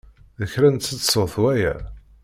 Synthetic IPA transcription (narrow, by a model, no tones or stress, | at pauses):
ðəçɾænt̪sət͡sːsoθwæjæ̰